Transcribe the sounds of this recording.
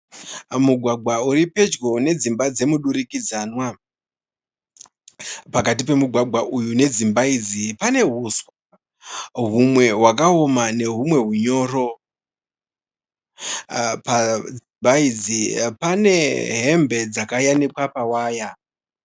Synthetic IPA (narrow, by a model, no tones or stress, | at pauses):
muɡʱwaɡʱwauɾipe̞d͡ʒɡo̞ne̞d͡zimbad͡ze̞muɗuɾikid͡zanwa | pakatipe̞muɡʱwaɡʱwaʔujune̞d͡zimbaid͡zipane̞ɦuswa | ɦumwe̞ɦwakaomane̞ɦumwe̞ɦuɲo̞ːro̞ | pad͡zimbaid͡zipane̞ɦe̞mbʱe̞d͡zakajanikwapawaːja